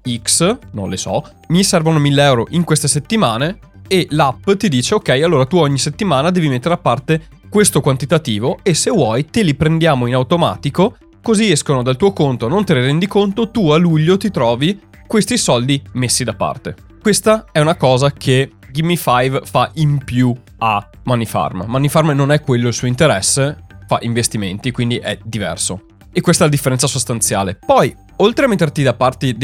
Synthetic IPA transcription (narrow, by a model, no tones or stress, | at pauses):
iksnõ̰nlesɔ̰ | misɛrvonomilːeɛwɾoʔiŋkwest̪eset̪ːimaːne | elapːt̪id̪iːt͡ʃeokɛjalːoːɾat̪uɔɲːiset̪ːimaːnad̪ɛːvimet̪ːeɾeapːart̪e | kwest̪okwant̪it̪at̪iːvoesewɔjt̪elipɾend̪jaːmoinawt̪oma̰ːt̪iko | koziɛskonod̪alt̪uːokont̪oanont̪eliɾɛnd̪ikont̪ot̪ualuʎːot̪it̪ɾɔːvi | kwest̪isɔld̪imesːid̪apːa̰rt̪e | kwest̪aɛunakɔːzakʰe | ɡimːifajvfaʔimpju | a | manːifa̰rmmanːifarmnonɛkːwelːoilsuoint̪eɾɛsːefa̰ʔiɱvest̪iment̪ikwind̪iʔɛd̪ivɛ̰rso | ekːwest̪aɛlad̪ifːeɾɛnt̪sasost̪ant̪sjaːlepɔj | olt̪ɾeamet̪ːert̪id̪apːart̪ed̪